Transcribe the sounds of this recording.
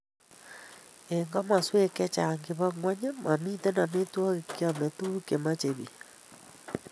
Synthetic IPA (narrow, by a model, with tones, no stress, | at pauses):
e˨ŋɡa˦ma˨swe˦kɛ˦t͡ʃa˨ŋɡe˨βa˦ŋwa˦ɲɛ˦ma˨mi˦tɛ˦na˨me˦twa˦ɣe˨ke˦a˨me˨tu˦ke˨ma˦t͡ʃe˨βi˨